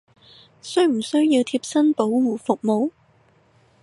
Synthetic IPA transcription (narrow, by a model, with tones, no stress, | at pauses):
sɵ˥ɥm̩˨˩sɵ˥ɥjiː˧wt̪ʰiː˧p̚sɐ˥npo˨˥wwuː˨˩fʊ˨k̚mo˨˧w